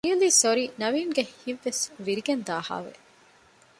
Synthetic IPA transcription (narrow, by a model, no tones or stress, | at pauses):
iliːsoɾiːnɐʋiːnɡehiʋːesʋiɾiɡend̪aːha̰ːʋḛ